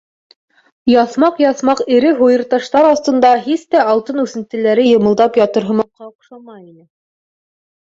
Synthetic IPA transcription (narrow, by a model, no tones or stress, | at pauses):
jɑθmɑqjɑθmɑqɘ̆ɾɘɦujɤ̆ɾt̪ɑʃt̪ɑɾɑst̪ɤ̆nd̪ɑɦist̪æɑlˠt̪ɤnʉθɘ̆nt̪ɘ̆læɾɘjŏmɤ̆lˠd̪ɑpjɑt̪ɤ̆ɾɦɤ̆mɑq̚qːɑuqʃɑmɑjinɘ